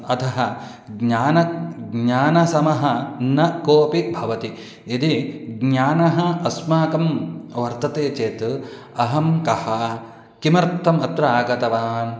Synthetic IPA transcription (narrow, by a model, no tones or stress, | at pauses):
ɐt̪ʰɐɦɐ | ɡɲaːnɐɡɲaːnɐsɐmɐɦɐnɐkoːpibʱɐʋɐt̪i | id̪iɡɲaːnɐɦɐɐsmaːkɐmʋɐɾt̪ɐt̪eːt͡ʃeːt̪ | ɐɦɐmkɐhɐ | kimɾt̪ʰːɐmɐt̪ɾɐaːkɐt̪ɐʋaːn